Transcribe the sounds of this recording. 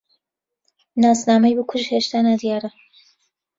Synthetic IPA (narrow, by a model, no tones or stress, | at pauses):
naːsnaːmɐjbɨkʰʊʒheːʃt̪aːnad̪jaːɾɐ